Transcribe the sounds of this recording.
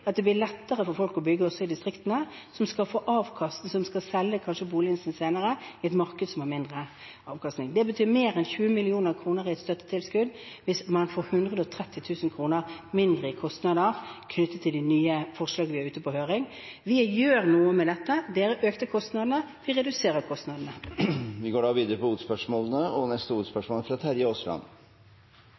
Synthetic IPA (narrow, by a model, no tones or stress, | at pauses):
ɑt̪̚d̪ɛblɪlɛt̪ːəʁəfɔɾfɔlkɔbʏɡːəɔsːɔɪd̪ɪst̪ʁɪkt̪ənə | sɔmskɑlfoːʔɑːʋkʰɑst̪sɔmskɑsɛlːəkʰɑnʃəbuːlɪɪnsənseːnəɾəɪɛt̪mɑʁkəd̪sɔmhɑɾmɪnd̪ʁə | ɑːʋkʰɑst̪nɪŋd̪ɛbət̪ʰyːmeːɾɛnçʉːəmɪlɪuːnəʁkʰɾuːnəɾɪɛt̪st̪œt̪ːət̪ʰɪlskʉd̪ | ʋɪsmɑnfoːɾhʉnd̪ʁəd̪əɔt̪ʰɾɛt̪ʰːɪt̪ʰʉːsən̩kʰʁuːnəʁmɪnd̪ʁəɪkʰɔst̪nɑd̪əʁkʰnʏt̪ːət̪ʰːɪld̪ɛnyːəfɔʁʂlɑːɡəʋɪæɾʉːt̪əpʰɔhøːʁɪŋ | ʋɪjøːʁnuːəmɛd̪ɛt̪ːəd̪eːɾəʔøːkt̪əkʰɔst̪nɑd̪ənəʋɪʁɛd̪ʉseːɾəkʰɔst̪nɑːd̪n̩əʋɪɡoːɖɑːʋiːd̪əɾəpɔuːt̪spœʂmoːlənəɔnɛst̪əuːt̪spœʂmoːləfɾɑt̪ʰæɾjəɔslɑ̰n